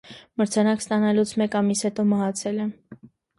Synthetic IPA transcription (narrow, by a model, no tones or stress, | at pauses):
məɾt͡sʰɑnɑkst̪ɑnɑlut͡sʰmɛkɑmishɛt̪ɔmɑɦɑt͡sʰɛlɛ